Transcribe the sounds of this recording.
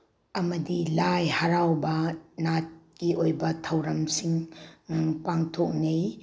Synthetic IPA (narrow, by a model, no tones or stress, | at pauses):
ɐmɐdilajhɐɾawbɐnat̚kiojbɐtʰɐwɾɐmsiŋ | paŋtʰok̚nej